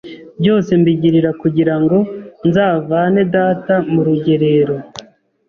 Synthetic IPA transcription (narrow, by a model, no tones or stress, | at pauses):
bɟo̞ːse̞mbiɟiɾiɾakuɟiɾaŋɡo̞nzaːvane̞daːtamuɾuɟe̞ɾe̞ɾo̞